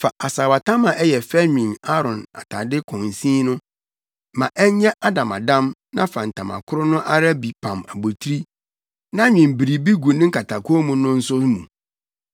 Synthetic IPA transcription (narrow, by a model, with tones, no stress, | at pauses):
fa˨ʔa˨saː˨wa˨tʰã˦mã˨ʔɛ˦jɛ˨fɛ˦ɲᶣĩ˨na˦ɾɔ̃˨na̰˨tʰa˨dɪ˦kʰɔ̃˨n˨sĩː˦nʊ̃˦ | mã˨ʔɛ˦ɲɛ̃˦ʔa˦dã˨ma˨dã˦mnã̰˦fã˨n̩˨tʰã˨mã̰˨kʰʊ˦ɾʊ˦nʊ̃˦ʔa˦ɾa˦bi˨pʰã˨ma˨bo˨tʰɾi˦ | nã˦ɲᶣɪ̃˨mbi˨ɾi˨bi˦ɡu˨nɪ̃˦ŋ̩˦kʰa˨tʰa˨kʰmũ˦nʊ̃˦n̩˦sʊ˦mũ˨